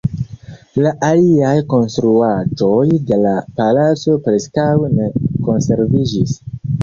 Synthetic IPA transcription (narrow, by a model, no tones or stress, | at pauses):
laʔaliajko̞nst̪ɾuad͡ʒo̞jde̞lapalat͡so̞pɾe̞skawne̞ko̞nse̞ɾvid͡ʒis